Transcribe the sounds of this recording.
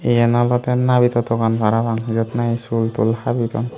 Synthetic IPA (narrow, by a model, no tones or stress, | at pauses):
ejɛnalɔt̪ɛnabit̪ɔt̪ʰɔkanbʱaɾabaŋzɔt̪naisult̪ṵlhabit̪ɔ̰n